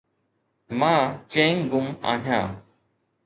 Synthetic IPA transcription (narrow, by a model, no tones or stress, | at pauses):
mãːt͡ʃẽːŋɡʊma̰ːɦjãː